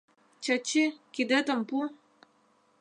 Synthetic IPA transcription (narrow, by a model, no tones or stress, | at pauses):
t͡ɕat͡ɕːekid̪ət̪ə̆mpu